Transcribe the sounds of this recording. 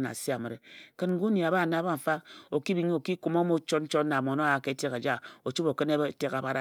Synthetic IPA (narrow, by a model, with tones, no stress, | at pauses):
na̰˨si˦a˨mɨ˨ɾe˨kɨ˦nŋ˦ɡu˦ni˨a˨ba˦˨na˨˦ba˦m̩˨fa˦o˨ki˦bi˨ɲi˦o˨ki˦ku˦mo˦mo˦t͡ʃo˦tn̩˦t͡ʃo˦na˨mo˨no˦a˨ke˦te˦ka˨d͡ʒa˦o˨t͡ʃu˦bo˨kɨ˦ne˦bte˦ka˨ba˦ɾa˦